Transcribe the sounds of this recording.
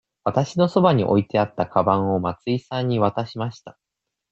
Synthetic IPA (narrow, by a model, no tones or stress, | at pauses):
βat̪aɕino̞so̞baɲ̟iʔo̞̰it̪e̞at̪ːakʰabãɰ̃o̞mat͡sɨisãɲ̟ːiβ̞at̪aɕimaɕi̥t̪ḁ